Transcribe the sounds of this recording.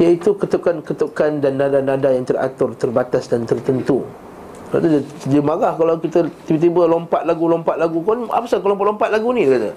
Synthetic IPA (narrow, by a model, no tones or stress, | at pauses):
ijait̪ukət̪əp̚kankət̪əp̚kandanːadanadajaŋt̪əra̰t̪ʊrt̪ərbat̪asdant̪ərt̪ənt̪u | a̰t̪uddəmaɡahkalawkit̪ət̪ibət̪̬ibəlɔmpat̪̚laɡulɔmpaʔ̪laɡukɔna̰pasakolɔmpaʔ̪lɔmpat̪̚laɡunĩdəkat̪ə